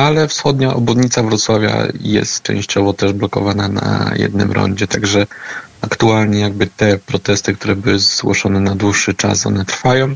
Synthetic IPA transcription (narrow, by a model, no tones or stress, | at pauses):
alɛfsxɔd̪ɲaʔɔbud̪ɲit̪savɾɔt̪swavʲja̰jɛ̰st̪t͡ʂɛ̰̃w̃ɕt͡ɕɔvɔt̪ɛʐblɔkɔvanana̰jɛ̰d̪̚nɘ̰mɾɔ̰ɲd͡ʑɛt̪aɡʐɛakt̪ualɲɛjaɡ̚bɘt̪ɛpɾɔt̪ɛst̪ɘkt̪uɾɛbɘwɘzzɡwɔʂɔnɛnad̪wuʂːɘt͡ʂa̰sɔ̰nɛt̪ɾfajɔ̃w̃